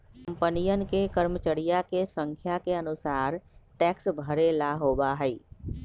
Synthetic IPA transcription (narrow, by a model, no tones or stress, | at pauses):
kə̃mpənijənkekəɾmət͡ʃəɽijakesə̃ŋkʰjakeənʊsaːɾʈɛːksbʱəɾelaɦoːbaɦɛi